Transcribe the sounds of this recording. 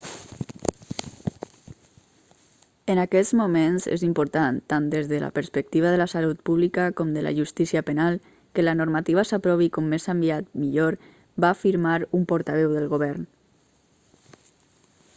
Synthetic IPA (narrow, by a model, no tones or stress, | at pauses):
ənakɛzmumenzḛzimpuɾt̪ant̪and̪ezðələ̰pəɾspək̚t̪iβəðələsalut̪̚puβlikəkɔmd̪əla̰ʒust̪isiəpənalˠ | kələnuɾmat̪iβəsapɾɔβikɔmːezambiat̪miʎoɾ | bafiɾmaɾumpɔɾt̪aβɛwðəlˠɣoβɛɾn